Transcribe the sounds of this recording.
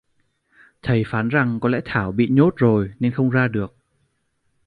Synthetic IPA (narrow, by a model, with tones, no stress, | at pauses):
t̪ʰə˨˩jfaː˨˦nza˨˩ŋkɔ˨˦lɛ̰˧˥t̪ʰaː˧˩wɓḭ˧˨ɲo˦˥t̚zo˨˩jne˧nxə˧wŋ͡mzaː˧ɗɨ˨˩ək̚